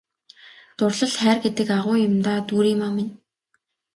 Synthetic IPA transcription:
t̪ʊrɮə̆ɮχæːrɡet̪ɘ̆kaʁʊːjʊmt̪aːt̪uːɾiːmamɪn

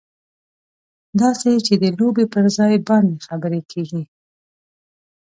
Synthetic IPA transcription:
d̪ɑset͡ʃed̪əlobepəɾzɑjbɑnd̪exabəɾekʰeɡi

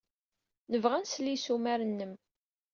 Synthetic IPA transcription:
nəvʁænslːisumæɾənːəm

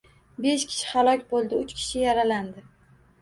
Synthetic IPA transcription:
be̞ʃkʲʰɪ̥ʃɪ̥halˠɒkʲbolˠd̪ɪʊt͡ʃkʲʰɪ̥ʃɪjaɾaland̪ɪ

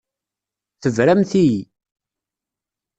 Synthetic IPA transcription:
θəvɾæmθiji

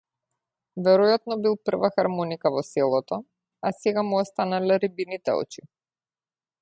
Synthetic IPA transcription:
vɛɾɔjat̪̚nɔbilˠpr̩vaxaɾmɔnikavɔsɛlˠɔt̪ɔ | asɛɡamuɔst̪analɛɾibinit̪ɛ̰ɔ̰t͡ʃi

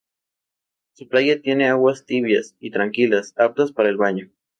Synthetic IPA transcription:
suplajat̪jeneawast̪iβjasit̪ɾaŋkilasap̚t̪aspaɾaelβaɲo

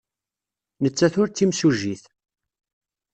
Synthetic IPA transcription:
nət͡sːæθʊɾt͡s̪ːimsuʒiθ

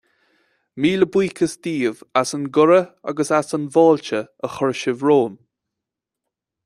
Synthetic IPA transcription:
miːləbwiːkʰəsd̪̥iːvasənɡʊɾəa̰ɡəsasənvɑːlt͡ʃəəxɔɹʃəvɹoːn

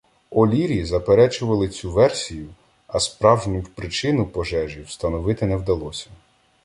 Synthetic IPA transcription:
ɔlʲiɾʲizɐpeɾɛt͡ʃʊʋɐlˠɪt͡sʲuʋɛrsʲijʊ | ɐspɾɑwʒnʲʊwpɾɪt͡ʃɪnʊpɔʒɛʒiwst̪ɐnɔʋɪt̪ɪnɛwd̪ɐlˠɔsʲɐ̥

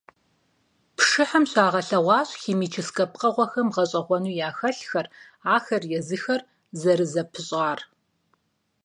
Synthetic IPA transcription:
pʂɨħɐmɕaːʁɐɬɐʁʷɑːɕxiːmiːt͡ʃʰɪskʼɐp̚qɐʁʷɔxɐmʁɐɕʼɐʁʷɔnuːjaːxɐɬxɐr | aːxɐrjɛzɨxɐr | zɐɾɨzɐpʰɨɕʼaːr

